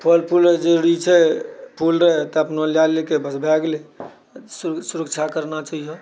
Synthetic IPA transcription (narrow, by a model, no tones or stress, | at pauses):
pʰəlpʰulɾəd͡ʒeɽit͡ʃʰɛpʰulɾəɦt̪ɔəpnoljalekebəsbʱɛɡle | ssuɾək̚t͡ʃʰakəɾnat͡ʃaɦijə